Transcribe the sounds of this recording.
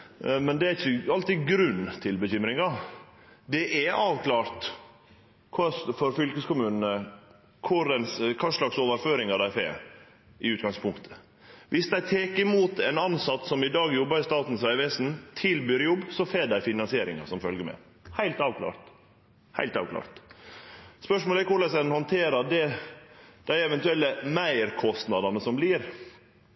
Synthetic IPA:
mɛnd̪ɛæɪçəɑlt̪ɪɡɾʉnːt̪ʰɪlbəçʏmɾɪŋɑ | d̪ɛʔɛʔɑːʋkʰlɑːɾt̪ | kʰɑsfɔɾfʏlkəskʊmʉːnənə | kʰʊɾɛnskʰɑːʂlɑksoːʋəɾføːɾɪŋɑd̪æɪfḛːɾ | ɪʉːt̪̚ɡɑŋspʰʊŋkt̪ʰə̥ | ʋʔɪsd̪æɪt̪ʰeːkɪmuːt̪ɛnɑnsɑt̪ːsɔmɪd̪ɑːɡjɔbːəɾɪst̪ɑːt̪n̩sʋæɪʋɛːsn̩t̪ʰɪlbyːɾjɔbːsɔfeːɖæɪfɪnɑnsɪeːɾɪ̰ŋɑ̰sɔmfœlɡəɾmɛ̰ | hæɪlt̪ɑːʋkʰlɑ̰ːɾt̪ | hæ̰ɪlt̪ɑ̰ːʋkʰlɑ̰ːɾt̪ | spœʂmoːlɛkʊɾɭɛsɛnhɔnt̪ʰeːɾɑɖɛ | d̪̥æɪɛʋɛnt̪ʉɛlːəmæɪəɾkʰɔst̪nɑd̪ɑnəsɔmbliːɾ

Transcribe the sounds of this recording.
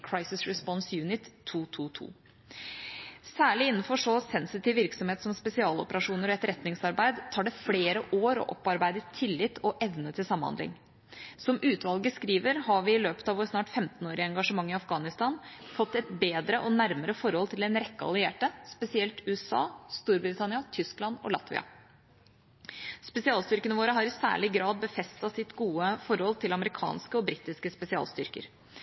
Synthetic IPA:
kʰɹɑɪsɪsɹɛspɔnsjʉːnɪt̪ʰːuːt̪ʰuːt̪ʰṵː | sæːɭɪɪnːn̩fɔʂɔsɛnsɪt̪ɪːʋʋɪɾksɔmheːt̪sɔmspɛsɪɑːlɔpəɾɑʂuːnəɾɔɛt̪ɾɛt̪nɪŋsɑɾbæɪd̪t̪ʰɑːɖɛfleːɾəʔoːɾɔ̰ʔɔpːɑɾbæɪd̪ətt̪ʰːɪlːɪt̪ʰːɔʔɛʋnət̪ʰɪlsɑmːhɑ̰nd̪lɪ̰ŋ | sɔmʔʉːt̪ʋɑlɡəskɾiːʋəɾhɑʋɪɪløːpə̥t̪ɑʋoːɾsnɑːʈfɛmt̪n̩oːɾɪəɛŋɡɑʂəmɑŋːɪɑfɡɑːnɪst̪ɑːnfɔt̪ːɛt̪beːd̪ɾəʔɔnæɾməɾəfɔɾhɔlt̪ʰɪlɛnɾɛkːəɑ̰lɪeːʈəspɛsɪɛlt̪ʉːɛsɑ̰ːst̪uːɾbɾɪt̪ʰɑnɪɑt̪ʰʏsklɑnɔ̰lɑ̰t̪ʋɪ̰ɑ̰ | spɛsɪɑːlst̪ʏɾkənəʋoːɾəɦɑɾɪsæ̰ːɭɪɡɾɑːd̪̚bəfɛst̪ɑsɪt̪ɡuːəfɔɾhɔlt̪ʰɪlɑməɾɪkʰɑ̰ːnskəɔbɾiːt̪ɪskəspɛsɪɑ̰ːlst̪ʏɾkə̰ɾ

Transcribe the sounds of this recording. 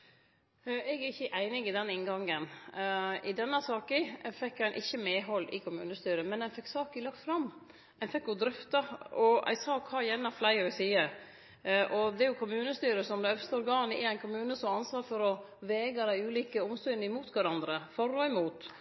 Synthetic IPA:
ɛɡæɪçːəʔæɪnɪɡɪd̪ɛnɪŋɡɑŋːən | ʔɪd̪ɛnːəsɑːkɪfɛkːæɪnʔɪçːəmɛːɦɔlːɪ̰kʰʊmʉ̰ːnəst̪yːɾəmɛnæɪnfɛkːsɑːkɪlɑk̚t̪fɾɑmː | æɪnfɛkːjʊd̪ɾœft̪ɑɔæ̰ɪsɑːkʰɑːjɛnɑflæɪɔʋɪsiːə | ʔɔd̪ɛɾjʊkʰʊmʉːnəst̪yːɾəsɔmd̪ɛœfst̪əɔɾɡɑːnɪ̰æɪnkʰʊmʉːnəsɔmɑnsʋɑːɾfɔɾɔ | ʋɛːɡɑd̪æɪʉːliːkəʊmst̪ʏnəɪmuːt̪ʋæɾɑnd̪ɾəfɔɾːɔɪmuːt̪

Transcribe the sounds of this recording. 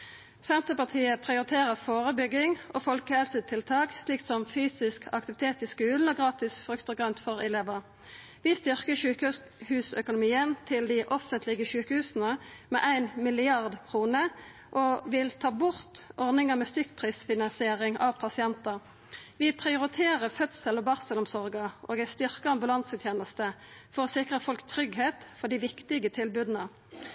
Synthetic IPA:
sɛnt̪əpɑʁt̪ʰiːəpʰʁɪʊʁɪt̪ʰeːʁəfoːʁəbʏɡɪŋʔoːfɔlkəhɛlsət̪ʰɪlt̪ʰɑːksliːksɔmfyːsɪskʰɑ̰kt̪ɪʋɪt̪ʰeːt̪ɪːskʉːln̩ɔːɡʁɑːt̪ɪsfʁʉkt̪əɡʁœnt̪fɔʁɪleːʋəʁ | ʋɪst̪ʏʁkəʃʉːkə | hʉːsœkʊnʊmiːənt̪ʰɪld̪ɪʔɔfənt̪lɪɡəʃʉːkəhʉːsn̩əmɛ̰ːʔæɪnmɪlɪɑʁd̪kʰʁuːnə | ʔoʋɪlt̪ʰɑːbʊʁt̪ʔɔʁnɪŋəmɛst̪ʏkpʰʁiːsfɪnɑnsɪeːʁɪŋɑ̰ʋpʰɑsɪɛnt̪əʁ | ʋɪpʰʁɪʊʁɪt̪ʰeːʁəfœt̪səlɔbɑʁsəlʊmsɔʁɡəʔo̰ːɡæɪst̪ʏʁkəɑmbʉlɑnsət̪ʰjeːnəst̪əfɔʁɔːsɪkʁəfɔlkt̪ʰɾʏɡheːt̪fɔd̪ɪʋɪkt̪ɪɡət̪ʰɪlbʉd̪n̩ə

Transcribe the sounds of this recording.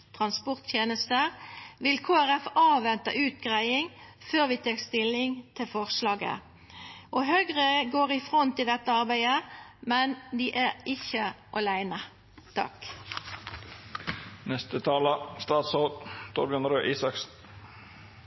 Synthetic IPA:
t̪ʰʁɑnspɔʁt̪t̪ʰjeːnəst̪əʁʋɪlkʰoːæʁɛfɑːʋɛnt̪əʔʉːt̪ɡʁæɪɪŋføːʁʋiːt̪ʰeːkst̪ɪlɪŋt̪ʰɪlfɔʁslɑːɡə̰ | ʔoɦøɡʁəɡoːʁɪfʁɔnt̪ɪld̪ɛt̪ːəɑʁbæɪəmɛnd̪iːʔæʁɪçəʔɑlæɪnə | t̪ʰɑ̰k | nɛst̪ət̪ʰɑːləst̪ɑːt̪soːt̪ʰṵːɾbjœnəɾøːʔiːsɑksn̩

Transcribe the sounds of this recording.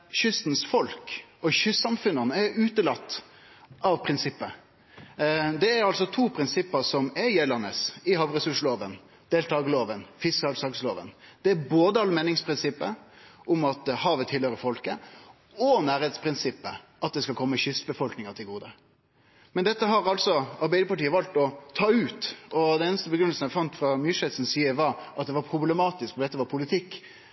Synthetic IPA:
ɕʏst̪n̩sfɔlkɔɕʏsːɑmfʉnːɑnəæɾʉːt̪əlɑt̪ː | ɑʋpʰɾɪnsɪpːə | d̪ɛæɾɑlsɔt̪ʰuːpʰɾɪnsɪpːəɾsɔmɛjɛːlɑnəsɪhɑʋɾɛsʉʂloːʋən | d̪̥eːlt̪ʰɑːɡəloːʋənfɪskɑlsɑksloːʋə̰nd̪̥ɛæboːd̪əɑlmeːnɪŋspʰɾɪnsɪpːəʔʊmɑt̪hɑːʋət̪ʰɪlhøːɾəfɔlkə | ɔnæːɾeːt̪spʰɾɪnsɪpːə | ʔɑt̪̚d̪ɛskɑkʰɔmːəçʏsbəfɔlknɪŋət̪ʰɪlɡuːd̪ə | mɛnd̪ɛt̪ːəɦɑɾɑltsɔɑɾbæɪd̪əpɑʈiːəʋɑlt̪ɔt̪ʰɑːʉːt̪ɔd̪ɛneːnəst̪əbəɡɾʏnəlsn̩æfɑnt̪fɾɑmyʂɛt̪sn̩siːəʋɑɾɑt̪̚d̪ɛʋɑɾpʰɾʊblɛmɑːt̪ɪskfɔd̪ɛt̪ːəʋɑɾpʰʊlɪt̪ʰɪkː

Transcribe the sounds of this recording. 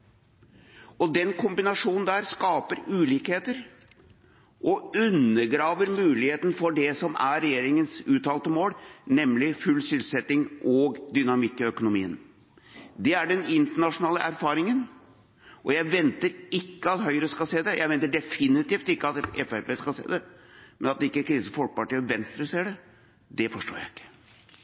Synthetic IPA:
ɔd̪ɛnkʰʊmbɪnɑʂuːnnd̪æːɾskɑːpəɾʉːliːkheːt̪əɾ | ʔɔʉnːəɾɡɾɑːʋəɾmʉːlɪheːt̪n̩fɔɖɛsɔmæɾɛjeːɾɪŋənsʉːt̪ɑːlt̪əmoːlnɛmlɪfʉlːsʏlsɛt̪ːɪŋʔɔɡd̪ʏnɑmɪkːɪœkʊnʊmḭːən | d̪ɛæɖɛnɪnt̪əɳɑʂʊnɑːləʔæɾfɑːɾɪŋən | ʔɔjæɪʋɛnt̪əɾɪkːəɑt̪hœʏɾəskɑlseːd̪ɛjʔæɪʋɛnt̪ːəɖɛfɪnɪt̪iːft̪ɪkːəɑt̪ɛfæɾpeːskɑlsḛːd̪ɛmɛnɑt̪̚d̪ɛɪkːəkʰɾiːsəfɔpɑʈiːɔʋɛnst̪ɾəseːɖɛ | d̪ɛfɔʂʈo̰ːjæ̰ɪɪ̥kːə̥

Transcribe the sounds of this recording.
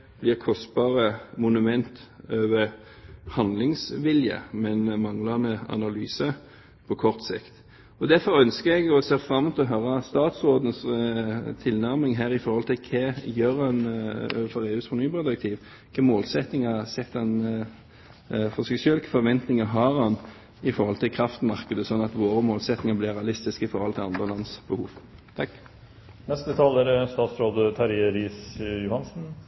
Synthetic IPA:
b̥lɪːʁkʰɔst̪̚bɑːʁəmʊnʉmɛnt̪øːʋəɾ | hɑnd̪lɪŋsʋɪljə̰mɛnmɑŋlɑnəɑ̰nɑlyːsə | pʰɔkʰɔʁt̪sɪ̰kt̪ | ɔd̪æɾfɔɾœnskəɾɛɡɔseːʁfɾɑmut̪ʰlɔɦœːɾɑst̪ɑːt̪sʁoːd̪n̩s | t̪ʰɪlnæɾmɪŋɦæːɾɪfɔɾhɔlt̪ʰɪlkʰeːjøːɾɑnfɔɾeːʉːsfɔnyːpɛd̪ɾɛkt̪ʰiːʋ | kʰɑːmoːlsɛt̪nɪŋɑsɛt̪ːɑn | fɔsɛsœlkə̥fɔɾʋɛnt̪nɪŋəɦɑːʁɑn | ɪfɔʁhɔlt̪ʰɪlkʰɾɑft̪mɑʁkəd̪əsɔnːɑt̪ʋoːɾəmoːlsɛt̪nɪŋəblɪːʁɾɛɑlɪst̪ɪskəɪfɔɾhɔlt̪ʰɪlɑnd̪ʁəlɑnsb̥əhuːʋt̪ʰɑkː | nɛst̪ət̪ʰɑːləɾəst̪ɑːt̪sɾoːd̪ət̪ʰɑɾɪəɾiːsjʊhɑnsn̩

